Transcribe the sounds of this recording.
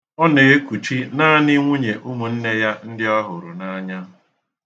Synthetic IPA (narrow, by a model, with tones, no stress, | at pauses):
ɔ˦ne˨e˦ku˨t͡ʃi˦na˦ni˦ŋʷu˦ɲe˨ʔu˦mu˨n̩˦ne˦ja˦n̩˦dɪ˦ɔ˦ɦʊ˨ɾʊ˨na˦ɲa˦˨